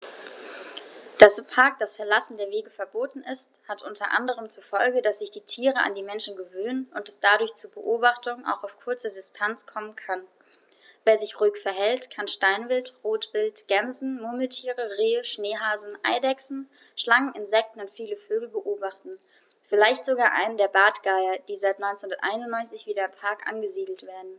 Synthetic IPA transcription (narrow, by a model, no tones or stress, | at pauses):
d̥aspʰaɐk̚d̥asfɛɐlasn̩deːɐveːɡəfɛɐboːtn̩ɪsthatʔʊntʰɐʔa̰ndəʁ̞əmt͡sufɔlɡədasz̥ɪçd̥iːtʰiːʁəʔa̰ndiːmɛnʃn̩ɡəvøːnənʊntɛsd̥adʊɐçt͡suːɐbəʔoːbaχtʊŋʔa̰ʊxaʊfkʰʊɐt͡sədɪstʰant͡skʰɔmənkʰan | veːɐzɪçʁuɪkfɛɐɦɛltkʰanʃtaɪnvɪltʁoːtv̥ɪltɡ̥ɛmzn̩moməl̩tʰiːʁəʁeːəʃneːɦaːzn̩ʔa̰ɪdɛksn̩ | ʃlaŋənɪnzɛk̚tn̩ʊntfiːləføːɡl̩bəʔoːbaχtn̩ | fɪlaɪçtz̥oɡaːʔa̰ɪnəndeːɐbaːtɡ̥aɪɐd̥iːzaɪtnɔʏnt͡snhʊndɐtʔa̰ɪnʊntnɔʏnt͡sɪçv̥iːɾɐɪmpʰaɐkʔa̰nɡəziːdl̩tv̥eːɐdn̩